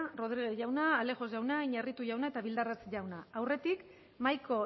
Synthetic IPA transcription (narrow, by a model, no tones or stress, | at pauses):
ro̞ð̞ɾiɣeʝawnaːle̞ɣo̞zʝawnaiɲarit̪uʝawnae̞t̪aβild̪arat͡sʝawnaːwre̞t̪ik | majko̞